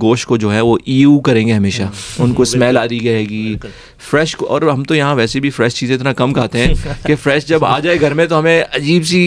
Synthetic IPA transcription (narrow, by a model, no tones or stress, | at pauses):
ɡoːʃkod͡ʒoːɦɛʋoʔiːuːkɐɾẽːŋɡeɦɐmeːʃaʊnkoɪsmɛːlaːd̪iɡɐeːɡiː | fɾɛːʃkoʔɔ̰ːɾɦɐmt̪ojɐɦãʋɛːsebʱifɾɛːʃt͡ʃiːzẽɪt̪nakɐmkʰaːt̪eɦɛ̃kefɾɛːʃd͡ʒɐba̰ːd͡ʒaːeɡʱɐɾmẽt̪oɦɐmẽɐd͡ʒiːbsi